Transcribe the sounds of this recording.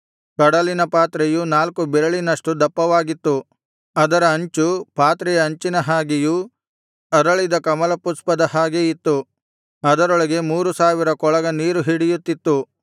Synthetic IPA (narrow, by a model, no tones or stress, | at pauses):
kɐɽɐlinɐpaːt̪ɾɛjunaːlkubɛɾɐɭinɐʂʈud̪ɐpːɐʋaːɡit̪ːu | ɐd̪ɐɾɐːɲt͡ʃupaːt̪ɾɛjɐːɲt͡ʃinɐɦaːɡiju | ɐɾɐɭid̪ɐkɐmɐlɐpuspɐd̪ɐhaːɡeit̪ːu | ɐd̪ɐɾɔɭɐɡe̞muːɾusaːʋiɾɐkɔɭɐɡɐniːɾuɦiɽijut̪ːit̪ːu